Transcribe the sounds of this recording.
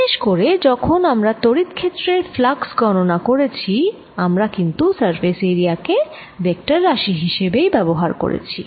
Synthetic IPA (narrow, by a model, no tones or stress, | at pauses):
ʃeʃkoɾed͡ʑɔkʰonamɾat̪oɾit̪kʰet̪ːɾeɾflaɡsɡɔnonakoɾet͡ɕʰi | amɾakint̪usaɾfeseɾiake | bek̚ʈaɾːaʃiɦiʃebejbɛboɦaɾko̰ɾḛt͡ɕʰi